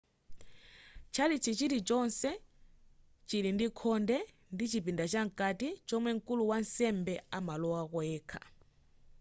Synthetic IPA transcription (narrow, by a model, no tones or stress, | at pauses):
t͡ʃʰalit͡ʃʰit͡ʃiɾit͡ʃɔnsɛ | t͡ʃiɾindikʰɔndɛ | ndit͡ʃipindat͡ʃaŋ̩katit͡ʃɔmwɛŋ̩kuluwansɛmbɛamalɔwakɔɛːkʰḁ